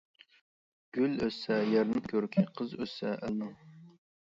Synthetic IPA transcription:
ɡ̥ʲyløsɛjɛɾnɨmkʲʰøɾkʲʰiqʰəzøsɛʔælnɨŋ

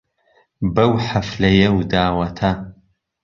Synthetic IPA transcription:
bɐwħafɮɐjɛwdaːwɐtʰa

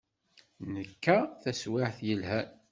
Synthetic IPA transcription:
nəkːæθæswɪħθjəlɦæ

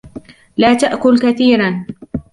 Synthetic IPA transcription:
laːt̪aʔkʊlkaθiːɾan

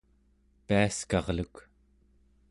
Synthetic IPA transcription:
piaskɑʁluk

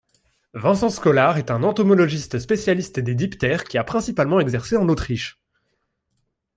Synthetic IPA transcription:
vɛ̃sɑ̃skɔlaʁɛt̪ɛ̃nɑ̃t̪ɔmɔlɔʒist̪spesjalist̪d̪ed̪ipt̪ɛʁkʲiapχɛ̃sipalmɑ̃ɛɡzɛʁseɑ̃not̪χiʃ

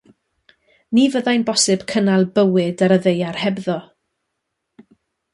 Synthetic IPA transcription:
nivəðajnbɔsɨb̥kʰənalˠbəwɪdaɾəðejarhɛbðɔ

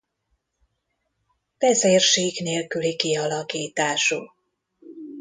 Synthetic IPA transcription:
v̥ɛzeːrʃeːɡneːlkylikiɒlɒkiːt̪aːʃu

